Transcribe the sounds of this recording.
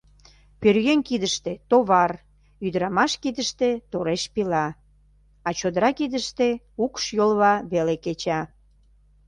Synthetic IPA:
pørɣenʲkid̪əʃt̪et̪oβɑr | yd̪əɾɑmɑʃkid̪əʃt̪et̪oɾeʃpilɑ | ɑt͡ɕod̪əɾɑkid̪əʃt̪e | ukʃjolβɑβeleket͡ɕɑ

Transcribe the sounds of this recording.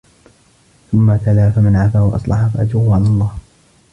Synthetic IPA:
θʊmːaθalaːfamanʕafaːwaʔɑ̰sˤlɑħafaʔad͡ʒuːʊʕalalˤːɑːh

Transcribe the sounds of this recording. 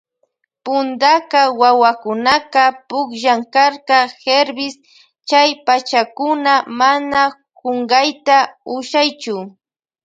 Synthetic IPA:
pʊnd̪akɑwawakʊnaqɑpʊkʒaŋkaɾkɑxeɾbɪs | t͡ʃajpat͡ʃakʊnamana | koɴɢɑjt̪aʊʃajt͡ʃʊ

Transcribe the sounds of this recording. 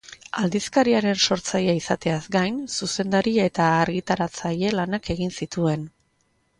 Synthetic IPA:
ald̪iskaɾiaɾe̞nso̞ɾt͡sajaisat̪e̞azɡajnsuse̞nd̪aɾiaet̪aːɾɣit̪aɾat͡saje̞lanake̞ɣinsit̪ue̞n

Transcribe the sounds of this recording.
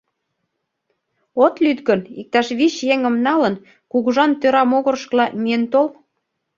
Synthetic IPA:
ot̪lyt̪ɡənik̚t̪ɑʃβiɕjeŋə̆mnɑlə̆n | kuɣuʒɑnt̪øɾɑmoɣɤ̆rʃklɑmient̪ol

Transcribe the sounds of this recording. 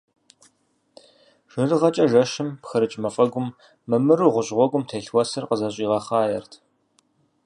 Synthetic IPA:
ʒ̥ɨrɨʁɐt͡ʃʼɐʒɐʃɪmpxɐɾɨt͡ʃʼmɐfʼɐɡʷʊmː | ɨmɨɾuːʁʷʊɕʼʁʷɔɡʷʊmtʰeːɬwɔsɨrqəzɐɕʼiːʁɐχaːjɛrtʰ

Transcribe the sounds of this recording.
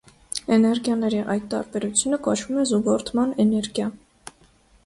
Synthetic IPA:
ɛnɛɾɡjɑnɛɾiʔɑjt̪t̪ːɑ̰ɾbɛɾut͡sʰjunəkɔt͡ʃʰvumɛzuɡɔɾt̪ʰmɑnɛnɛɾɡjɑ

